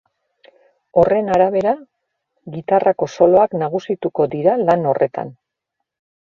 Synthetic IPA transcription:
o̞re̞naɾaβ̞e̞ɾa | ɣit̪arʔako̞so̞lo̞aknaɣusit̪uko̞d̪iɾalano̞re̞t̪a̰n

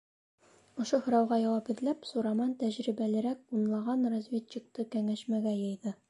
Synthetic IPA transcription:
ŏʃohŏɾɑwʁɑjɒwɑphɘ̆ðlæpsuɾɑmɑnt̪æʑɾibælɘ̆ɾæk̚unlˠɑʁɑnrozvʲett͡ɕːik̚t̪ɤkæŋæɕmæɡæjɤ̆jðɤ

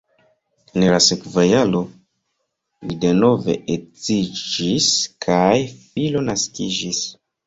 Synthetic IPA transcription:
enlasekvajalo̞ | lide̞no̞ve̞̰ʔet͡sid͡ʒiskʰajfilo̞naskid͡ʒis

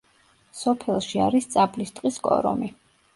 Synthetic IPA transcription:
sɔpʰɛlˠʃia̰ɾist̪sʼablist̪ʼqʼiskʼɔ̰ɾɔ̰mi

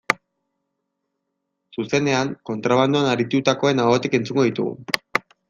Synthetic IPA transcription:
suse̞ne̞aŋko̞nt̪ɾaβ̞and̪uanaɾit̪ut̪ako̞e̞naɣot̪ike̞nt͡suŋɡo̞ðit̪ṵɣṵ

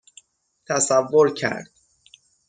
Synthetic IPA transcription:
t̪ʰæsævːoɾcʰæ̰ɾd̪̥̚

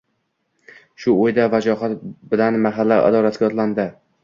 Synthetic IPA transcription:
ʃʊojd̪avad͡ʒɒɦat̪bɪlanmaɦalːaʔa̰d̪ɒlat̪ɡʲaɒt̪land̪ɪ

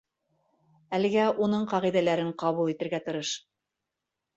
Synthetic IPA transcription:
ælɘ̆ɡæʔunɤɴqɑʁiðælæɾɘɴqɑβulˠit̪ɘ̆ɾɡæt̪ɤ̆ɾɤʃ

